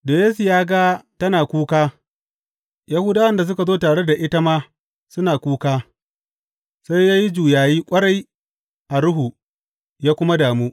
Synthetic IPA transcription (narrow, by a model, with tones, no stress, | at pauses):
do˨jeː˦su˨jaː˦ɡa˦tɐ˦naː˨kʷuː˦kaː˦ | ja˦huː˦daː˦wɐ˦nda˨s̬ʊ˦ka˨zoː˦taː˨ɽe˦da˨ʔɪ˦ta˦maː˦ | sʊ˦naː˨kʷuː˦kaː˦ | sa˦jjaː˦ji˦d͡ʒuː˨jaː˨jiː˦kʷʼɐ˦ɽa˦j | ʔa˨ɽʊ˦ɦu˨ | jaː˦kʷʊ˦ma˦daː˨muː˦